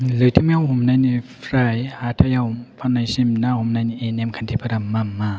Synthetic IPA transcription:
lɯt̪ʰimɛwhumnanifɾajat̪ʰajawmpʰanːajsimnahumnanʔenɛmkʰant̪ʰipʰaɾamːamːa

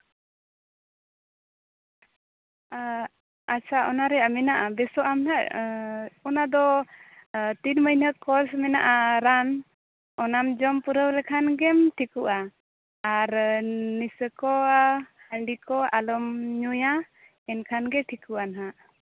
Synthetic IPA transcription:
at͡ʃʰaʔɔnaɾɛamɛnaʔabɛsɔʔamnaʔ | ɔnad̪ɔ | t̪inməjnəkɔɾsmɛnaʔaɾan | ɔnamd͡ʒɔmpuɾəwlɛkʰanɡɛmʈʰikuʔaː | ɾnisəkɔhəɳɖikɔalɔmɲuja | ɛnkʰanɡɛʈʰikuʔanɦaʔ

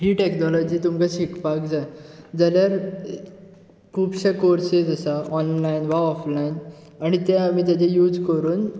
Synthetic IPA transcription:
ɦiːʈeknɔlɔd͡ʑiːt̪umkaɕikpakd͡zad͡zaljaɾ | kʰuːbɕakoɾsid͡zəsaɔnlainʋaɔflain | aɽ̃it̪jãamiːt̪̬jat͡ɕejuːd͡zkəɾuːn

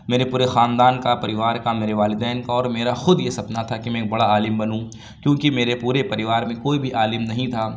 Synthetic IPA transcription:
meːɾepuːɾexaːnd̪aːnkapɐɾɪʋaːɾkameːɾeʋaːlɪd̪ɛːnkaɔːɾmeːɾaxʊd̪jesɐpnat̪ʰakimɛ̃k̚bɐɽaaːlɪmbɐnũ | kjõːkimeːɾepuːɾepɐɾɪʋaːɾmẽkoːibʱiʔaːlɪmnɐɦĩt̪ʰaː

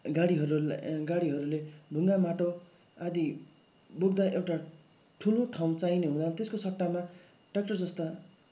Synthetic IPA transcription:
ɡaɽiɦʌɾuɡaɽiɦʌɾuleɖʱuŋɡamaʈo | ad̪i | boɡd̪aʔewʈa | ʈʰuloʈʰaw̃t͡sajneɦũd̪ant̪eskosʌʈːama | ʈak̚ʈʌrd͡zʌst̪a

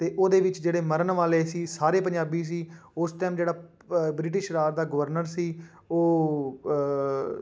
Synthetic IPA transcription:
t̪eːʔoːd̪eːʋɪt͡ʃd͡ʒeːɽeːməɾənʋaːleːsiːsaːɾeːpəɲd͡ʒaːbiːs̬iːʊsʈɛːmd͡ʒeːɽaː | bɾɪʈ̬ɪʃɾaːɾd̪aːɡəʋəɾnəɾsiː | oː

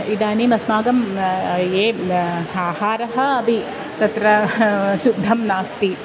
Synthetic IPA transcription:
id̪aːnimɐsmaːɡɐmjeːaːhaːɾɐɦɐ̆ɐbʱi | t̪ɐt̪ɾɐʃud̪ʱːɐmnaːst̪i

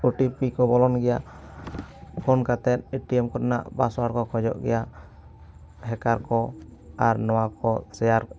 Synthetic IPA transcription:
uʈipikɔbɔlɔnɡɛja | pʰɔnkat̪ɛt̪̚eʈiɛmkɔtana̰ʔbasɔwaɾkɔkʰɔd͡ʒɔ̰ʔɡɛ̰ja | ɦɛkaɾkɔ | aɾnɔwakɔsɛjaɾ

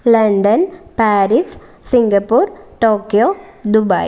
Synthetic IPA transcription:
lɐɳɖɐnpaːɾis | siŋɡɐpːuːrʈoːkːjoːd̪ubɐj

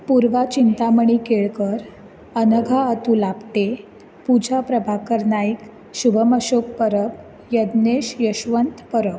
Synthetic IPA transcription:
puɾʋat͡ɕint̪aməɳ̃ikeɭkəɾ | ənəɡʱaət̪ulabt̪e | pud͡ʑʱapɾəbʱakəɾnaik | ɕubʱəməɕok̚pəɾəb | jəd̪neɕjəɕʋənt̪pəɾəp

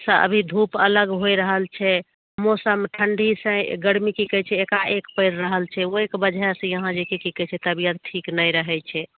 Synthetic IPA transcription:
sə̃ʔə̰bʱid̪ʱupələɡɦojɾəɦəlt͡ʃʰɛ | mosəmʈʰəɳɖʱisə̃ɡəɽmikikət͡ʃʰɛːkaʔekpəɪɾɾəɦəlt͡ʃʰɛoekbəd͡ʒʱaesə̃jəɦãd͡ʒekikikɛt͡ʃʰɛt̪əbijət̪̚ʈʰiknəjɾəɦɛt͡ʃʰɛ

